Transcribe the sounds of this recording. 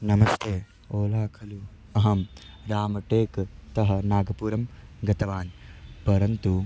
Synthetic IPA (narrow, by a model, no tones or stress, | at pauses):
nɐmɐst̪ʰeː | oːlaːkʰɐlu | ɐɦɐmɾaːmɐʈeːkt̪ɐɦɐ̆naːɡɐpuːɾɐmɡɐt̪ɐʋaːnpɐɾɐnt̪u